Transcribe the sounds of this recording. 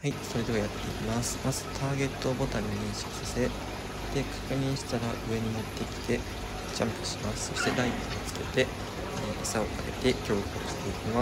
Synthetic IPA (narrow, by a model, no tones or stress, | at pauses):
haiso̞ɾe̞d̪e̞βajat̪ːe̞imasɨ̥mazɨ̥t̪ʰaːɡe̞t̪ːo̞bo̞t̪ãɲ̟ːiɲĩɰ̃ɕo̥kʲi̥sase̞ | d̪̥e̞kʰḁkɯ̟ɲ̟ĩɕi̥t̪aɾaʔɯ̟e̞ɲ̟inot̪ːe̞kʲi̥t̪e̞ | t͡ɕãmpɯ̟̥ɕimasɨ̥so̞ɕi̥t̪e̞d̪aitiit͡sɨ̥ke̞̰t̪e̞ | esao̞kaɾe̞̰t̪e̞kʲo̞ːko̰ːɕi̥t̪e̞ikʲima